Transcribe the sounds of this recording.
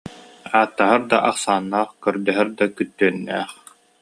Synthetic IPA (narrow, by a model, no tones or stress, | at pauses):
aːt̪ːaɦaɾd̪aʔaqsaːnːaːχkœɾd̪œɦɛɾd̪akyt̪ːyːnːɛːχ